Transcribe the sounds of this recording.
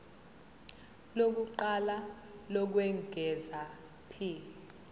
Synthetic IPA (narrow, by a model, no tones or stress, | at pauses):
lok̬uǃalalɔk̬wɛŋɡʱɛza | pʰi